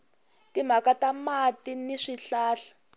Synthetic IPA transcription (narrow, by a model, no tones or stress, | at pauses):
tim̤akatamatiniʂiɬaːɬḁ